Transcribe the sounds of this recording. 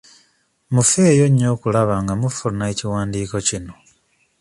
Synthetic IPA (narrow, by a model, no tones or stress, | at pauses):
mufe̞ːjo̞ɲːo̞ːkulaβaŋɡamufunaeciwaːndiːko̞cino̞